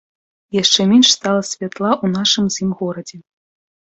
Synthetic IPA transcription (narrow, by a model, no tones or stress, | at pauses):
jaʂt͡ʂɛmʲenʂst̪alˠɐsʲvʲat̪lˠaʔunaʂɨmzʲimɣɔɾɐd͡zʲɛ